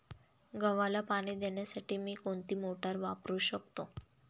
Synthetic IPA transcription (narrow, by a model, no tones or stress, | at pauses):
ɡəʋalapaɽ̃iːd̪eɳjasaʈiːmiːkoɳt̪iːmoʈaɾʋapɾuːɕək̚t̪o